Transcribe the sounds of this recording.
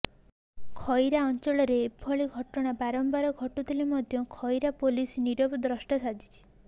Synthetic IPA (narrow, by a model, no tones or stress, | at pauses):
kʰɔjɾaɔnt͡ʃɔɭɔɾepʰɔɭiɡʱɔʈɔɽ̃abaɾɔmbaɾɔɡʱɔʈut̪ʰilimɔd̪ʱjɔkʰɔjɾapolisniɾɔbɔd̪ɾɔsʈasad̪ʱi̥t͡ʃʰi̥